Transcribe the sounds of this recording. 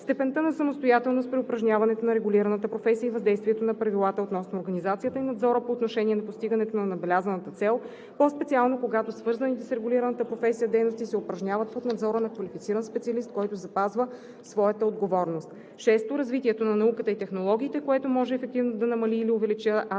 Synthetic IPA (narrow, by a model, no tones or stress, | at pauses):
st̪ɛpɛnt̪ənɐsɐmost̪ojat̪ɛlˠnospɾɛopɾɐʒnʲavɐnɛt̪onɐɾɛɡʊliɾɐnət̪əpɾofɛsijəivɐzd̪ɛjst̪vʲiɛt̪onɐpɾɐvilˠat̪əot̪nɔsnoːɾɡɐnizat̪sijət̪əinɐd̪zɔɾəpoːt̪noʃɛnʲiɛnɐpost̪iɡənɛt̪onɐnɐbɛlʲazənət̪ət̪sɛlˠ | pospɛt̪sialˠnokoɡat̪osvɤɾzɐnit̪ɛsɾɛɡʊliɾənət̪əpɾofɛsijəd̪ɛjnost̪isɛopɾɐʒnʲavət̪̚pot̪nɐd̪zɔɾənɐkvɐlifit̪siɾənspɛt̪siɐlist̪̚kɔjt̪ozɐpazvə | svɔjət̪əod̪ɡovɔɾnost̪ | ʃɛst̪oɾɐzvit̪iɛt̪onɐnɐukət̪əit̪ɛxnolˠɔɡ̟ʲiːt̪ɛkoɛt̪omɔʒɛːfɛk̚t̪ivnod̪ɐnɐmɐliːliovɛlit͡ʃə